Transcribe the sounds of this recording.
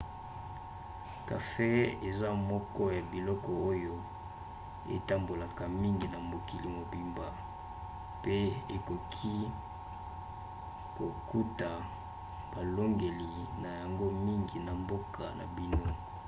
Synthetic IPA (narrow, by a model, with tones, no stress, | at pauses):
ka˨fe˦e˨za˦mɔ˦kɔ˦ja˨bi˨lɔ˦kɔ˨o˦jo˦ | ḛ˨ta˦mbo˨la˨ka˨mi˦ŋɡi˨na˨mo˨ki˨li˨mo˨bi˦mba˨ | pe˦e˨ko˨kʰi˦ | ko˨ku˦ta˨ | b̥a˨lo˦ŋɡe˨li˨na˨ja˨ŋɡo˦mi˦ŋɡi˨na˨mbo˦kʰa̰˨nʔa̰˨bi˦no˦